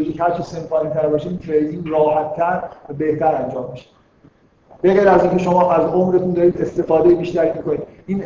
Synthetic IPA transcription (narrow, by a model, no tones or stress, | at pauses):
oʒiːchæɾt͡ʃʰise̞nfɒːnit̪ʰæɾbɒːʃeiːt̪ʰɾejd̪iːnrɒːhæt̪ʰːæɾvæbe̞ht̪ʰæɾænd͡ʒɒːmːiʃe̥ | be̞ɣejɾæziːnce̞ʃo̞mɒːʔæzo̞mɾe̞t̪ʰund̪ɒːɾiːd̪e̞st̪e̞fɒːd̪ejebiːʃt̪æɾiːmiko̞niːd̪̚iːn